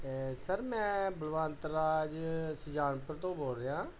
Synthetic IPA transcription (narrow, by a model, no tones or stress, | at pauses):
səɾmɛ̃ːbəlʋãːnt̪əɾːaːd͡ʒsʊd͡ʒaːnpəɾt̪õːboːɾeːãː